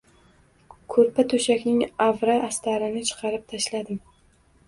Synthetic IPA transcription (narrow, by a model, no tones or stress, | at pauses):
kʰɵɾpʰat̪ʰɵʃakʲnɪŋavɾaʔast̪ʰaɾɪnɪt͡ʃʰɨ̥qʰɑɾɪp̚t̪ʰaʃlad̪ɪm